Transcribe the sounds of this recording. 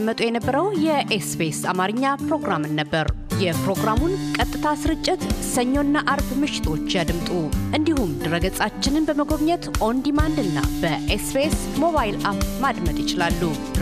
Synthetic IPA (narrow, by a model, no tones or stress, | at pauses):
mːət̪ʼujɛnəbːəɾəwjɛʔespesamaɾɨɲːapɾo̞ɡɾamɨnːəbːəɾ | jɛpɾo̞ɡɾamunkʼət̪ʼːɨt̪ʰasɨɾɨt͡ʃʼːɪt̪səɲːo̞nːaʔaɾbmɨʃɪ̥t̪ʰo̞t͡ʃːjad̪ɨmt̪ʼuʔɨnd̪ihumd̪ɨɾəɡət͡sʼat͡ʃːɪnɨnbəməɡo̞βɲɛt̪ʔo̞nd̪imand̪ɨnːa̰b̥əʔespesmo̞βajlʔapmad̪mət̪ʼjɪt͡ʃɪlalːu